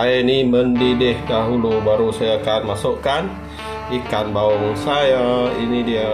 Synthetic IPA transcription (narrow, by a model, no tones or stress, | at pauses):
ajainiməndidɪhdaɦulubaɾusajakanmasoʔkan | ikanbaɔŋsajainidia